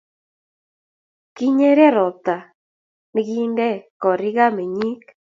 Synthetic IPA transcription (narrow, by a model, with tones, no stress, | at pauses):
ki˦ɲe˦ɾe˦ɾɔ˨t̪a˨ | mɪ˦ɡi˦ndɛ˦kɔ˨ɾɪ˦ɣa˦me˨ɲi˦k